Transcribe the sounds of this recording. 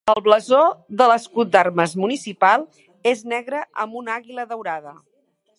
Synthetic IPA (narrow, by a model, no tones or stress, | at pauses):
əlˠβləzoðələskut̪̚d̪aɾməzmunisipalˠ | eznɛɣɾəʔəmbunaɣiləðəwɾaðə